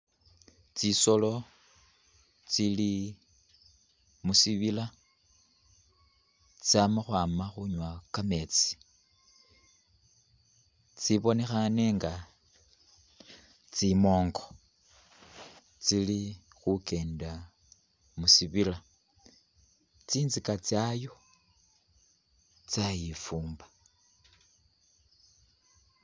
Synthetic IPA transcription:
t͡siso̞lo̞ | t͡sili | musiβila | t͡samaxwaːmaxuɲwakame̞t͡si̥ | t͡siβo̞ne̞xane̞ŋɡa | t͡simo̞ːŋɡo | t͡sili | xuke̞ːnda | musiβila | t͡siːnzikat͡sjajo̞ | t͡sajifuːmba

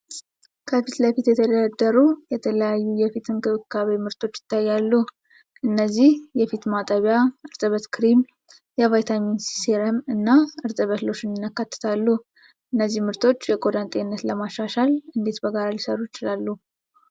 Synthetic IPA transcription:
kʰəfit̪ləfit̪jɛt̪ʰəd̪əd̪ad̪ːəɾujɛt̪ʰələjajːujɛfit̪ʰɨnkʰɨβɨkʰːaβemɨɾt̪ʰo̞t͡ʃːjɪ̥t̪ʰːajːalːu | ʔɨnːəzːihjɛfit̪mat̪ʼaβijaʔɨɾt̪ʼəβət̪kʰɨɾim | jɛvajt̪ʰaminsi̥seɾəmɨnːaɨɾt̪ʼəβət̪lo̞t͡ʃːɪnnːakːat̪ːɨ̥t̪ʰalːu | ʔɨnːəzːihmɨɾt̪ʰo̞t͡ʃːjɛkʼod̪ant̪ʼeɪnːət̪ləmaʃːaʃalɨnd̪e̞t̪bəɡaɾalisərːujɪt͡ʃɪlalːu

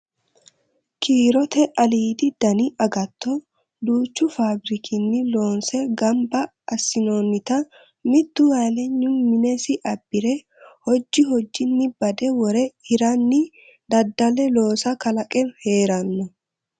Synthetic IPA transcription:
kʰiːɾɔt̪ɛʔɐliːd̪ɪd̪̥ɐnɪʔɐɡɐt̪ʰːɔ | d̪uːt͡ʃːʊfaːbɾɪkʰɪnːɪlo̞ːnsɛɡɐmbɐː | sːɪnoːnːɪt̪ɐ | mɪd̪ːʊwaːlɛɲːʊnmɪnɛsɪʔɐbːɪɾɛ | hɔd͡ʒːɪɦɔd͡ʒːɪnːɪbɐd̪ɛwɔɾɛhɪɾɐnːɪ | d̪ɐd̪ːɐlɛlo̞ːsɐkɐlɐkʼɛnhe̞ːɾɐnːɔ

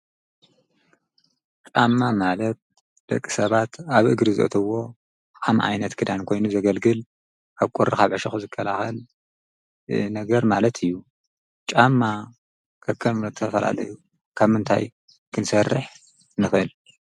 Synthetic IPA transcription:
t͡ʃʼamːamalɐt̪̚ | d̪̥ɐkʼːi̥sɐβat̪aβʔɨɡɾɨzɨ̰ʔɨ̰t̪ʰɐwo̞ | amʕa̰jnɐt̪kʰɨd̪ankʰo̞jnuzɐɡɐlɡɨl | ʔaβkʼoɾɨkaβʕɨʃɐxuzɨkʰːɐlaxɐl | nɐɡɐɾmalɐt̪ʰɨjːu | t͡ʃʼamːa | kʰɐkʰːɐmnot̪ʰɐfɐla̰lɐ̰ju | kʰaβmɨnt̪ʰa̰j | kʰɨnsɐrːɨħ | nɨfɐl

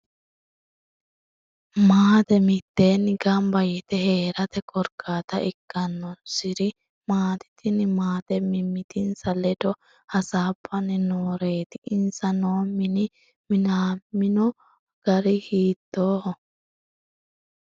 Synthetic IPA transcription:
maːt̪ɛmɪt̪ːe̞ːnɡɐmbɐjɛt̪ɛhe̞ːɾɐt̪ɛkʰʼɔɾkʰaːt̪ɐɪkːɐnːɔsɪɾɪ | maːt̪ɪ̥t̪ʰɪnɪmaːt̪ɛmɪmːɪt̪ɪnsɐlɛd̪ɔ | hɐsaːbːɐnːɪnoːɾe̞ːt̪ɪʔɪnsɐnoːmːɪnɪ | mɪnaːmːɪnɔ | ɡ̥ɐɾɪhiːt̪ːoːhɔ

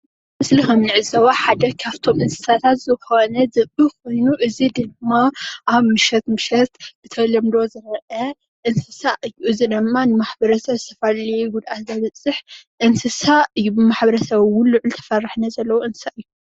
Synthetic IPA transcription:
mɨslixɐmnɨʕɨzɐwaħad̪ɐkʰaβt̪ʰo̞mʔɨnsɨ̥sat̪ʰat̪zɨxo̞nɐzɨbɨkʰo̞jnuʔɨzid̪ɨɡmːaʔaβmɨʃɐt̪mɨʃɐt̪b̥ɨt̪ʰɐlɐmd̪ozɨɾʔɐ | ʔɨnsɨsaʔɨjːuʔɨzid̪ɨmːanɨmaħbɐɾɐsɐβzɨt̪ʰɐfaliɡud̪ʔat̪zɐβɐt͡sʼɨħʔɨnsɨsaʔɨjːubɨmaħbɐɾɐsɐβwʊnlːuʕult̪ʰɐ̥fɐrɨħnɐzɐlːɐwoʔɨnssaʔɨjːu

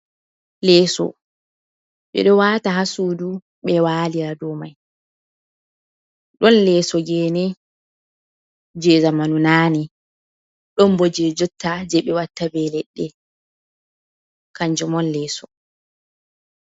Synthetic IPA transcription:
lɛːsɔ̰ | ɓɛ̰ɗɔwaːtaɦasuːdu | ɓɛwaːliɾadɔmaj | ɗɔnlɛsɔɡɛːnɛ | d͡ʒɛzamanunaːnɛ | ɗɔmbɔd͡ʒɛd͡ʒɔtːad͡ʒɛɓɛwatːabɛlɛɗːɛ | kaɲd͡ʒɔmɔnlɛːsɔ

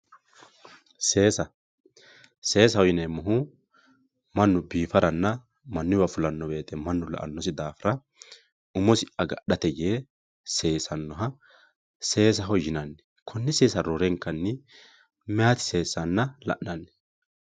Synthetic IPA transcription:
seːsɐ | se̞ːs̬ɐhɔjɪnemʊɦʊ | mɐnːʊbiːfɐɾɐnːɐ | mɐnːɪwɐfʊlɐnːɔbe̞ːt̪ɛmɐnːʊlɐ̰ʔɐ̰nːɔs̬ɪd̪aːfɪɾɐ | ʊmɔsɪʔɐɡɐɗɐt̪ɛjeː | se̞ːsɐnːɔɦɐ | se̞ːs̬ɐɦɔjɪnɐnːɛ̥ | kʰɔnːɪse̞ːsɐɾoɾɛŋkːɐnːɪ | mɛhɐt̪ɪ̥se̞ːsːɐnːɐlɐ̰ʔnɐnːɛ̥

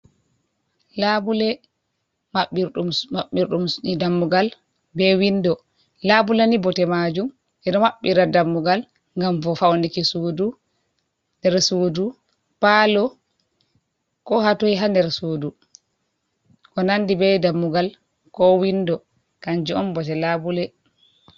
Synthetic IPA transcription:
labulɛ | maɓiumaɓːiɾɗumdamːuɡal | bɛwindɔ | labulanibɔtɛmad͡ʒum | ʔɛdɔmaɓːiɾadamːuɡal | ŋɡamfɔfawnikisuːdu | ndɛɾsuːdu | palɔ | kɔhatoiɦandɛɾsudu | kɔnandibɛdamːuɡal | kɔwindɔ | kaɲd͡ʒiɔmbɔtɛlabulɛ

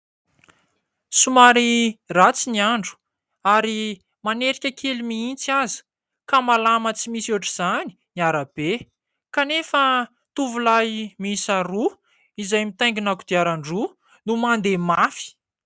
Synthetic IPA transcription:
sumaɾirat͡siniaɳɖ͡ʐu̥ | aɾi | maneɾikʲakʰelimiint͡siazi̥ | kamalamət͡simisuʈ͡ʂiz̥ani̥niaɾab̥e | kanefə | t̪uvulajmiisaɾu | izajmit̪aj̃ŋɡinakud̪̥iaɾaɳɖ͡ʐu | numand̪emafi̥

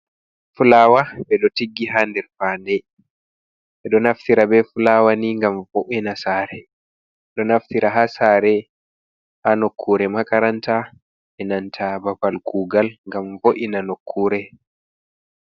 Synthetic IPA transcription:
fulaːwaɓɛɗɔtiɡːiɦandɛɾfaːndɛ | ɓɛɗɔnaftiɾabɛfulawaniŋɡamvoʔinasaːɾɛ | ɗɔnaftiɾaɦasaːɾɛ | hanokʰːuːɾɛmakaɾanta | ʔɛnantʰabapalkʰuːɡalŋɡamvoʔinanokʰːuːɾɛ

